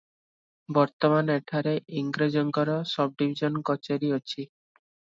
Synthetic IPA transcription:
bɔɾt̪ɔmaneʈʰaɾeʔiŋɡɾed͡ʒɔŋɡɔɾɔsɔb̚ɖibʱid͡ʒɔnkɔt͡ʃeɾiot͡ʃʰi

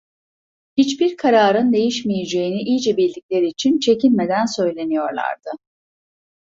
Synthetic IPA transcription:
hit͡ʃbiɾkʰaɾaːɾɯnd̪e̞jiʃmijed͡ʒe̞jiniʔijd͡ʒɛbiɾlʲiclʲe̞ɾiːt͡ʃʰint͡ʃʰe̞cʰilʲme̞d̪ænsø̞jlʲe̞nijo̞ɾlˠa̰ɾd̪̥ɯ

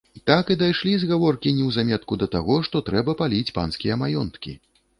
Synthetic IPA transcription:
t̪akɨd̪ajʂlʲizɣavɔrkʲinʲɛwzamʲɛt̪̚kud̪ɐt̪aɣɔʂt̪ɔt̪ɾɛbɐpalʲit͡sʲpa̰nskʲijɐmajɔnt̪kʲḭ

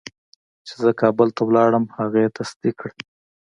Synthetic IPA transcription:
t͡ʃe̥zəkɑbəlt̪awlɑɽəmhaɣet̪asd̪ikɽ

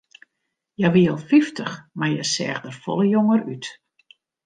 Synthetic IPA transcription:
jaʋiəlˠfiftʰəxmajɛsɛ̰ːɣdərfɔ̰lˠəjoŋəryt

